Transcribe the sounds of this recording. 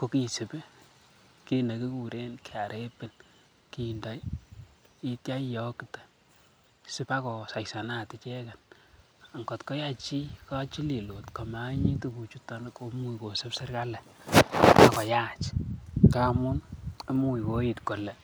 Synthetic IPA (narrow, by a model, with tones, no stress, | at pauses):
ko˨˦ki˨sɪ˨pe˦ | ki˦na˨ki˦ku˨ɾe˦nkea˨ɾʔe˦pɪ˨n | ki˨nda˨˦j | i˦tja˦jɔ˦kitḁ˨ | sɪ˦pa˦kɔ˨sa˨jsa˨na˨tɪ˨t͡ʃɛ˦ka˨n | a˨ŋɡɔ˨tkɔ˦jat͡ʃi˦ka˦t͡ʃi˦li˨lo˨tka˨ma˨˦ɲi˦tu˦ku˨t͡ʃu˦ta˨n˦ko˨mu˦iko˨sɪ˦psɪ˦ɾka˦lɛ˨ | a˨kɔ˨ja˦t͡ʃkamʊ˦ne˦mu˨i˨wo˦ji˨tko˨lɛ˨